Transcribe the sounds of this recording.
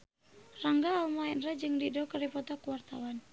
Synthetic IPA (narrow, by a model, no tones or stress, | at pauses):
raŋɡaːlmaɛnrad͡ʒɨŋdidɔkəɾipɔt̪ɔkuwart̪awan